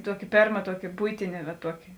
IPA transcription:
ˈtuɔkʲɪ ˈpʲeːrmɐ ˈtuɔkʲɪ ˈbʊɪtʲɪnʲɛ ʋɐ ˈtuɔkʲɪ

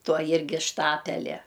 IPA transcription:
ˈtuɔ ˈjɪrʲɡʲɪ ˈʃtɑːpʲɛlʲɛ

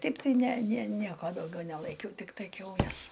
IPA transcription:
ˈtɐɪp tɐɪ ˈnʲɛ nʲɛ ˈnʲiɛkoː dɐʊˈɡʲɛʊ nʲɛlˠɐɪˈkʲɛʊ ˈtʲɪktɐɪ kʲɛʊˈlʲɛs

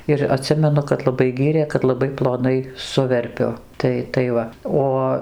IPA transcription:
ɪr ɐˈtʲsʲɪmʲɛnʊ kɐt lˠɐˈbɐɪ ˈɡʲiːrʲeː kɐt lˠɐˈbɐɪ plˠoːˈnɐɪ ˈsʊʋʲɛrʲpʲʊ ˈtɐɪ tɐɪ ˈʋɐ ˈoː

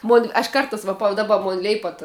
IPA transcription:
moːnʲ ɐʃ ˈkɐrtɑːs ʋɐ pɐ dɐˈbɐ ˈmoːn ˈlʲɛɪpɐt

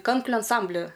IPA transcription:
ˈkɐŋklʲʊ ɐnˈsɐmʲbʲlʲɪ

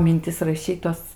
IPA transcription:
mʲɪnʲˈtʲɪs rɐˈʃʲiːt tuɔs

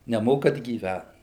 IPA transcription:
nʲɛˈmoːkɐt ɡʲiːˈʋʲæt

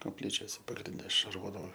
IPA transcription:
koːpʲˈlʲiːt͡ʃʲoːsʲɛ pɐɡrʲɪnʲˈdʲɛ ʃɐrˈʋoːdɐʋoː

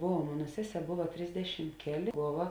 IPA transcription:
ˈboːʋɐ ˈmoːnɐ ˈsʲæːˌsʲɛː ˈboːʋɐ ˈtʲrʲɪzʲdʲɛʃʲɪm ˈkʲæːˌlʲeː ˈboːʋɐ

